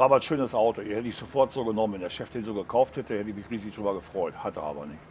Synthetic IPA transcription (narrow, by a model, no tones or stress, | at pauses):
aːbanʃøːnəsʔaʊtoiɐhɛtəɪçz̥ofɔɐtz̥oːɡənɔmənvɛndeːɐʃɛfd̥eːnzoːɡəkʰaʊfthɛtəhɛtəɪçmɪçʁiːzɪçd̥ʁyːbɐɡəfʁ̥ɔʏthatəʔa̰ːbɐ̰nɪçt